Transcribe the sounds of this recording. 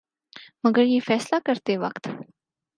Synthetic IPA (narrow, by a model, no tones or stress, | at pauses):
məɡəɾɦiːfɛːslakəɾt̪eʋə̰kt̪